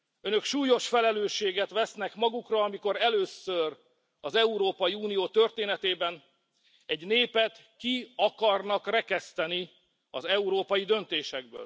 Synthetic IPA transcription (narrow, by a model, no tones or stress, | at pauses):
ønø̞kʃuːjo̞ʃfɛlɛløːʃːeːɡɛt̪ʋɛsnɛkmɒɡukrɒɒmiko̞ɾɛløːsːør | ɒzɛuɾoːpɒjiuːnijoːt̪ø̞rt̪eːnɛt̪eːbɛn | ɛɟneːpɛt̪ | kiɒkɒrnɒkrɛkɛst̪ɛni | ɒ̰zɛuɾoːpɒjid̪ø̞nt̪eːʃɛɡ̚bø̰ːl